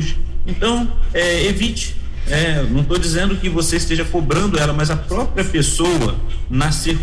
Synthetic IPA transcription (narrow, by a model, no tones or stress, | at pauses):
ʒɪẽnt̪ɐ̃w̃ɛevit͡ʃɪ̥ | ɛnɐ̃w̃t̪od͡ʒizẽnd̪ʊkɪvoseist̪eʒɐkobɾɐ̃nd̪ʊɛlɐmɐzɐpɾɔpɾiɐpesowɐ | naseɾ